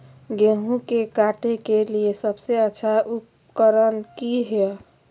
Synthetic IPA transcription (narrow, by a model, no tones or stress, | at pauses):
ɡeɦũkekaʈekeliesəbseətːʃʰaʔup | kəɾənkiɦe